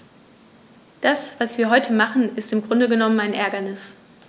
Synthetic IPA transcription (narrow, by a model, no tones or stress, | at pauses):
d̥asv̥asv̥iːɐɦɔʏtʰəmaχn̩ɪstɪmɡʁʊndəɡənɔmənaɪnʔɛɐɡɐnɪs